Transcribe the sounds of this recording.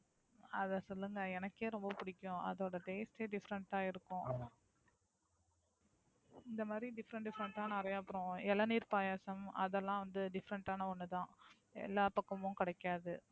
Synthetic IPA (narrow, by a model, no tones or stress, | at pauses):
ɐðɐsɔlːɯŋɡɐɛnɐkːeːɾɔmbɐpʊɽɪkʲːʊ̃ɐ̰ðoːɽɐʈ̪eːsʈeːɖɪfɾɐɳʈaːɪɾɯkːʊ̃ | ɪnd̪ɐmaːd̪ɾiɖɪfɐɾɐɳɖɪfɐɾɐɳʈaːnɐɐɾɐjːɐpːɯɾɔ̃ɛlːɐniːɾpaːjaːsɐmɐ̰ðɛlːãːʋɐnd̪ɯɖɪfɐɾɐɳʈaːnɐɔnːɯt̪ãː | ɛ̰lːaːpɐkːɐmʊ̃kɪɽɐɪkːaːðɯ